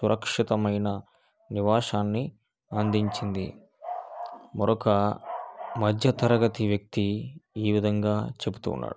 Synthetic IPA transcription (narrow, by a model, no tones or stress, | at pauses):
suɾʔɐkʂit̪ɐmɐjnɐ | niʋaːʂaːnːi | ɐnd̪iɲt͡ʃind̪ḭ | mɔɾɔkɐ | mɐd̪ʱjɐt̪ɐɾɐɡɐt̪iʋjɐk̚t̪iiːʋid̪ʱɐŋɡaːt͡ʃe̞but̪ṵːnːa̰ːɽu